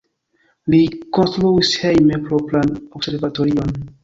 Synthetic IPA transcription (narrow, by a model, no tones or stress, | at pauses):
likonstɾuishejmepɾopɾanobse̞ɾvatoɾion